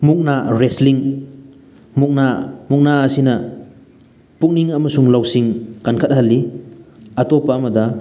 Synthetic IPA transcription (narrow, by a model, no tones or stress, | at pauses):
muk̚naɾesliŋ | muk̚namuk̚naɐsinɐ | puk̚niŋɐmɐsuŋlawsiŋkankʰɐt̚hɐlːi | ɐtopɐːmɐdɐ